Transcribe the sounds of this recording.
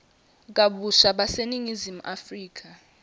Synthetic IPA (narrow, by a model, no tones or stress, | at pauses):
k̬aɓuʃaɓaseniŋizimuʔafriːk̬a